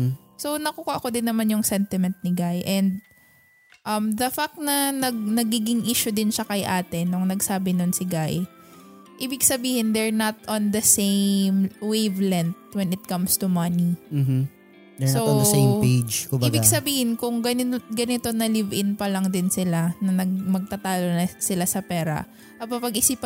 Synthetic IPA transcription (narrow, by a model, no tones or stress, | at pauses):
so̞wnɐkuːkoʔɐkod̪ɪnːɐmanjʊŋsɛnt̪ɪmɛnt̪̚nɪɡajʔɛnd̪̚ | ʔɐmd̪ɐfak̚t̪nɐnɐɡ̚nɐɡiːɡɪŋʔiːʃʊd̪ɪnʃɐkɐjʔaːt̪ɪnːʊŋnɐɡsaːbɪnonsɪɡaj | ʔiːbɪɡsɐbiːhɪnd̪ɛɹnɐt̪̚ʔond̪ɐsejmwejvlɛnt̪̚wɛnɪt̪̚kɐmst̪umɐnim̩m̩ | sod̪sempejd͡ʒkʊbiːbɪɡsɐbiːhɪnkʊŋɡɐnɪɡɐnɪt̪o̞nɐlɪvʔɪnpɐlɐŋd̪ɪnsɪlanɐnɐɡmɐɡ̚t̪ɐt̪aːlonɐsɪlasɐpɛːɾɐ̰ | ʔɐpɐpɐɡʔɪsip